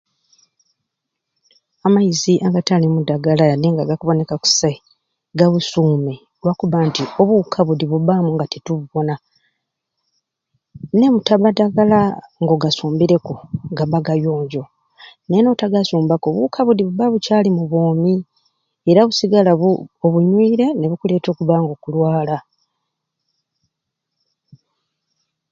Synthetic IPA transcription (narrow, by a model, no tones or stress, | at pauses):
amaiziʔaɡatalimudaɡalajadeŋɡaɡakuβo̞ne̞kaku̥sa | ɡaβusuːme | lwakuβaːntio̞βukʰaβudiβuβamuŋɡatituββo̞na | ne̞mutaβadaɡalaŋɡo̞ɡasuːmbiɾe̞kuɡaβaɡajo̞ːɲɟo̞ | nenotaɡasuːmbako̞βukʰaβudiβuβaβucaːlimuβoːmi | eɾaβusiɡalaβuoβuɲwiːɾe̞ne̞βukule̞ːto̞ːkuβaːŋɡo̞kulwaːla